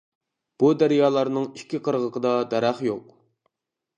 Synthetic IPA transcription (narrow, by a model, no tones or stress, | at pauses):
b̥ud̪æɾjɑːlˠɑɾnɨŋiʃkʲʰːiqʰəɾʁəqʰəd̪ɑd̪æɾæχjoq̚